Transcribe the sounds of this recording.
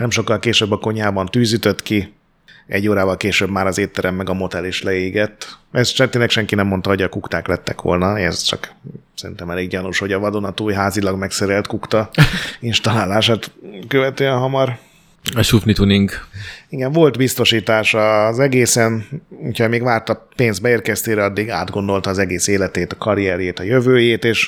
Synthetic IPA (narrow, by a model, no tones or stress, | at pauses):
nɛmʃo̞kːɒlkeːʃøbːɒko̞ɲaːbɒnt̪yːzyt̪øt̪ki | ʔɛ̰ɟːoːɾaːvɒlkeːʃøːbmaːɾɒzeːt̪ːɛɾɛmːɛɡɒmo̞t̪ɛliʃlɛeːɡɛt̪ːɛst͡ʃɛnt̪eːnlɛkʃɛŋkinɛmːo̞nt̪ɒɦo̞ɟɒkukt̪aːklɛt̪ːɛkʋo̞̰lnɒɛ̰zt͡ʃɒ̰ksɛɾḭnt̪ɛmɛleːɡɟɒnuʃho̞ɟɒvɒd̪onɒt̪uːjɦaːzilɒɡmɛksɛɾɛlt̪kukt̪ɒinʃt̪ɒlaːlaːʃaːt̪køvɛt̪øːɛnɦɒmɒr | ɒʃufnit̪uniŋɡiɡɛɱvo̞lt̪bist̪o̞ʃiːt̪aːʃɒzɛɡeːsɛnucʰhɒmeːɡʋaːrt̪ɒpeːnzd̪bɛeːrkɛst̪eːɾɛɒd̪ːiɡa̰ːd̪ɡo̞nd̪o̞lt̪ɒːzɛɡeːseːlɛt̪eːt̪ɒ̥kɒɾiɛɾjeːt̪ɒjøvøːjeːt̪eːʃ